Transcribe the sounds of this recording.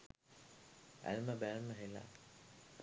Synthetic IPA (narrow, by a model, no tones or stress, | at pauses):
æ̰lməbælməɦela̰